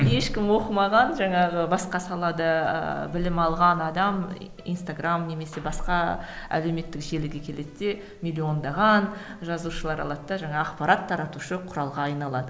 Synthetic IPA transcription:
je̞ʃkʲɪmwo̞qəmɑʁɑnʒɑɴɑʁəbɑsqɑsɑlˠɑd̪ɑ̰bɪlɪmɑlˠʁɑnɑd̪ɑm | ḭnst̪aɡramne̞me̞se̞bɑsqɑæ̰le̞wme̞t̪ːɪkʒe̞lɪɡʲekʲʰe̞le̞d̪d̪e̞ | mʲilʲːio̞nd̪ɑʁɑnʒɑzuʃəlˠɑɾɑ̰lˠɑd̪əd̪ɑʒɑɴɑːqpɑɾat̪ʰːɑɾɑt̪uʃəqʰʊɾɑlˠʁɑːjnɑlˠɑd̪ə

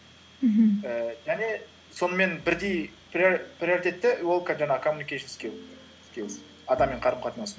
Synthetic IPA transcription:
əʒæne̞ | so̞nəme̞nbɪɾd̪e̞jprʲprʲioɾit̪ʲe̞t̪ːɪwo̞lˠkʰʒɑnɑkʰomunikʲeʃɪnskʲew | skʲe | ɑd̪ɑmːeɴqʰɑɾəmqʰɑt̪ənɑs

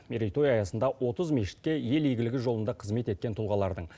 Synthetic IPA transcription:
meɾijt̪o̞jɑjɑsənd̪ɑwo̞t̪əzmeʃɪ̥t̪̚kʲe̞je̞lejɡʲɪlɪɡʲɪʒo̞lˠənd̪ɑqʰəzme̞t̪e̞t̪̚kʲe̞nt̪ʰʊlˠʁɑlˠɑɾd̪əɴ

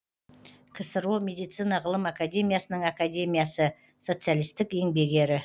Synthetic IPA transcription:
kʲʰɪsəɾumʲe̞d̪ijt̪sinɑʁəlˠəmakad̪ʲe̞mʲijasənəɴakad̪ʲe̞mʲijasə | so̞t̪sɨjalˠijst̪ɪke̞ŋbe̞ɡʲe̞ɾɪ

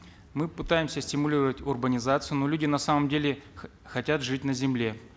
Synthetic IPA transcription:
mɨpɨt̪ajɪmsʲəsʲtʲɪmʊlʲiɾəvətʲʊrbənʲɪzat̪sɨjʊnolʲudʲɪnɐsaməmdʲelʲɪ | xɐtʲat̪ʐɨtʲnəzʲɪmlʲe̞

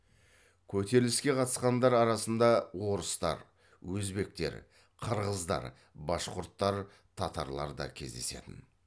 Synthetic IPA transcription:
kʲʰɵt̪e̞ɾlɪskʲe̞qʰɑt̪ə̥sqɑnd̪ɑɾɑɾɑsənd̪ɑwo̞ɾəst̪ɑ̰ɾ | wɵzbe̞k̚t̪e̞̰ɾ | qʰəɾʁəzd̪ɑ̰ɾ | bɑsqʊɾt̪ːɑɾ | t̪ʰɑt̪ɑ̰ɾlˠɑɾd̪ɑ̰kʲʰe̞zd̪e̞se̞̰t̪ɪ̰n

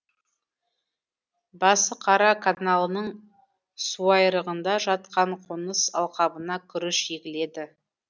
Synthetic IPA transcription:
bɑsəqʰɑɾɑkʰanalˠənəɴ | suɑjɾəʁənd̪ɑʒɑt̪̚qɑɴqʰonəsɑ̰lˠqɑbənɑkʲʰʏɾɪʃekʲɪle̞d̪ɪ

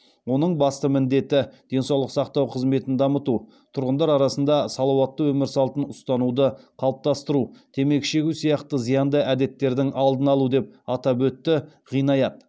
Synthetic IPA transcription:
wo̞nəɴbɑst̪əmɪnd̪e̞t̪ɪd̪̥e̞nsɑwlˠəqsɑqt̪ɑwqʰəzme̞t̪ɪnd̪ɑmət̪u | t̪ʰʊɾʁənd̪ɑɾɑɾɑsənd̪ɑsɑlˠɑwɑt̪ːəwɵmɪɾsɑlˠt̪ənʊst̪ɑnud̪əqʰɑlˠəp̚t̪ɑst̪əɾut̪ʰe̞me̞kʃe̞ɡʲusijɑqt̪əzijɑnd̪əʔæd̪e̞t̪ːe̞ɾd̪ɪŋɑlˠd̪ənɑlˠud̪e̞p̚ɑt̪ɑbɵt̪ːɪ | ʁijnɑjɑt̪

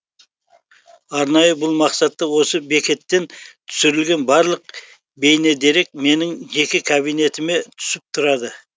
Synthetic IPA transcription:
ɑɾnɑjəbʊlˠmɑqsɑt̪ːɑwo̞səbe̞kʲe̞t̪ːe̞nt̪ʰʏ̥sɪɾɪlɡʲe̞nbɑɾlˠəq | be̞jne̞d̪e̞ɾe̞k̚me̞nɪŋʒe̞kʲɪkʰɑbijne̞t̪ɪme̞t̪ʰʏ̥sɪp̚t̪ʰʊɾɑd̪ə

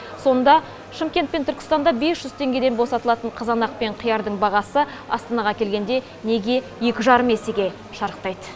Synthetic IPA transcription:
so̞nd̪ɑ | ʃəmkʲe̞nt̪̚pent̪ʰʏɾkʲɪ̥st̪ɑnd̪ɑbe̞sʒ̥ʏzt̪ʰe̞ŋɡʲe̞d̪enbo̞sɑt̪əlˠɑt̪əɴqʰəzɑnɑq̚pe̞ɴqʰijɑɾd̪əɴbɑʁɑsə | ɑ̰st̪ɑnɑʁɑkʲʰe̞lɡʲe̞nd̪e̞ | ne̞ɡʲe̞ | je̞kʲɪʒɑɾəme̞se̞ɡʲe̞ | ʃɑɾəqt̪ɑjd̪ə

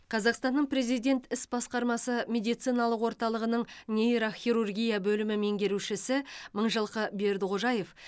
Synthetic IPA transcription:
qʰɑzɑqst̪ɑnːəɴpɾe̞zijd̪ʲe̞nt̪ɪsbɑsqɑɾmɑsəmʲe̞d̪ijt̪sijnɑlˠəqwo̞ɾt̪ɑlˠəʁənəɴnʲejɾoχʲiɾurɡʲijabɵlɪmɪme̞ŋɡʲe̞ɾuʃɪsɪməɴʒəlˠqəbe̞ɾd̪ʁʰoʒɑje̞f

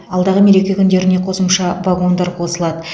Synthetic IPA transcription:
ɑlˠd̪ɑʁəme̞ɾe̞kʲe̞kʲʰʏnd̪e̞ɾɪne̞qʰo̞səmʃɑvaɡo̞nd̪ɑɾqʰo̞səlˠɑd̪ə

